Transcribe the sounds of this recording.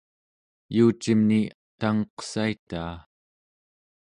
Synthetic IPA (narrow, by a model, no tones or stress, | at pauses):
juːt͡ʃimniat̪aŋʌqsait̪aː